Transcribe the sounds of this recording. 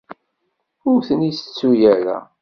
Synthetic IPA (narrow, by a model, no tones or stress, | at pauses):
ʊɾθənisə̥t͡sːujæɾæ̰